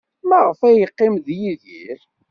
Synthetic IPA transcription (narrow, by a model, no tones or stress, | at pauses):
mæʁəfæjəqːɪmðjiðḭɾ